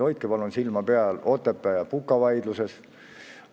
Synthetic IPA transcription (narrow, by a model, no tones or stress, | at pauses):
o̞jt̪kepɑlunsilmɑpeɑlo̞t̪ːˑepːˑæjɑpukːˑɑvɑjd̪luses